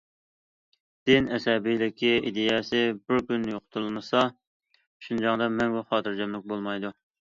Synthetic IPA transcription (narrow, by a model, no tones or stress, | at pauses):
d̪̥ɪnɛsɛbijlɪkʲʰːiid̪ejɛsɪbɪɾkʲynːjoqʰʊ̥t̪ʰulɨlˠmɨsɑ | uʃund͡ʒɑŋd̪ɑmɛnɡuχɑːt̪ʰɨɾd͡ʒɛmlɪk̚ʲbolˠmɑjd̪u